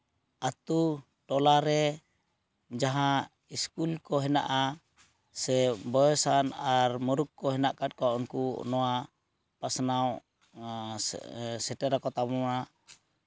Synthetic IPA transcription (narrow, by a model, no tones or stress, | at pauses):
at̪u | ʈɔlaɾɛ | d͡ʒaɦã | iskulkɔɦɛna̰ʔa | sɛbɔjɔsanaɾmuɾukːɔɦɛnaʔkat̚kaɔnkunɔa | pasnaw | sɛʈɛɾakɔt̪amuna